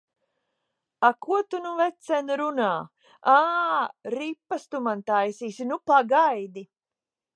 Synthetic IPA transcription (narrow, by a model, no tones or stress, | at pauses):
akuɔt̪unuvɛt̪sɛnɾunaː | aːɾipːast̪umant̪ajsiːsinupaɡajd̪i